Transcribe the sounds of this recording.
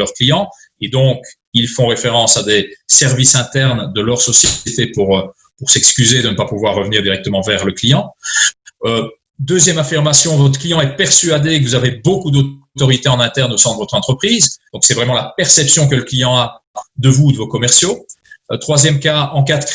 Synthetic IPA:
œʁklijɑ̃ | ed̪ɔ̃k | ilfɔ̃ʁefeʁɑ̃sad̪esɛʁvisɛ̃t̪ɛʁnd̪əlœʁsɔsjt̪epuʁ | puʁsɛkskʲyzed̪ənəpapuvwaʁːəvəniːʁd̪iʁɛk̚t̪əmɑ̃vɛʁləklijɑ̃ | ø | d̪øzjɛmafiʁmasjɔ̃vɔt̪χə̥klijɑ̃ɛpɛʁsɥad̪ekəvuzavebokud̪o | t̪ɔʁit̪eɑ̃nɛ̃t̪ɛʁnosɛ̃d̪əvɔt̪χɑ̃t̪χəpχiːzd̪̥ɔ̃ksɛvʁɛmɑ̃lapɛʁsɛpsjɔ̃k̬ələklijɑ̃a | d̪əvud̪əvokɔmɛʁsjo | t̪χwazjɛmkaɑ̃kat̪

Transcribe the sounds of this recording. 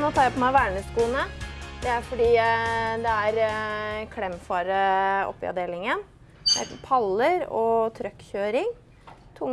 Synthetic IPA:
noːt̪ʰɑːɾjæpʰɔmæɪʋæːɳəskuːnəd̪ɛæɾfɔɖiːd̪ɛæɾ | kʰɽɛmfɑːɾəɔ̰pːɪɑ̰d̪eːlɪŋən | d̪ɛæ̰ɾpʰɑlːəɾɔ̰t̪ʰɾœkːçøːɾɪŋ | t̪ʰʊŋ

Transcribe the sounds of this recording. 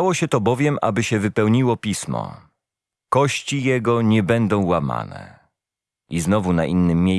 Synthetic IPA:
awɔɕɛt̪ɔbɔvʲjɛmʔa̰bɘɕɛvɘpɛwɲiwɔpʲismɔ̰ | kɔɕt͡ɕijɛɡɔɲɛbɛnd̪ɔ̃w̃wama̰nɛ̰ | iznɔvunaʔinːɘmːʲje

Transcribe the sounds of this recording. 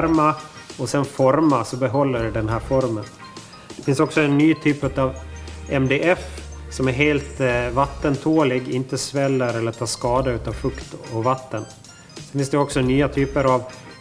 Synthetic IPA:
ɾma | ɔsɛnfɔɾmasɔbɛɦɔlːəɖɛɖɛnɦæːɾfɔɾmən | d̪̥ɛfɪnsɔksɔɛnːyːt̪ʰyːpʉt̪avɛmd̪eːʔɛfsɔmæɾɦeːlt̪vat̪ːənt̪ʰoːlɪɡɪnt̪əsvɛlːəɾɛlːəʈʰɑːʂkɑːd̪aʉ̟ːt̪avfɵkt̪ɔvat̪ːən | sɛnfɪnsd̪ɛɔksɔnyːat̪ʰyːpəɾav

